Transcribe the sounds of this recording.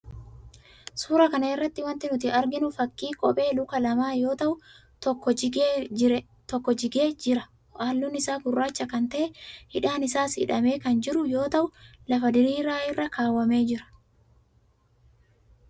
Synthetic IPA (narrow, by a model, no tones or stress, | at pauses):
suːɾɐkɐnɐɛrːɐt̪ːɪwɐnt̪ɪnʊt̪ɪɐɾɡɪnʊfɐkːiːkʼɔpʼe̞ːlʊkɐlɐmaːjo̞ːt̪ɐʔʊ | t̪ɔkːɔɪɪɾɛ | t̪ɔkːɔd͡ʒɪɡeːd͡ʒɪɾɐ | ʔaːlːʊnːɪsaːɡʊrːaːt͡ʃːɐkɐnt̪ɐʔɛhɪᶑaːnɪsaːsɪ̰ᶑɐme̞ːkɐnd͡ʒɪɾʊjo̞ːt̪ɐʔʊlɐfɐd̪ɪɾiːɾaːɪrːɐkʰaːwːɐme̞ːd͡ʒɪɾɐ̥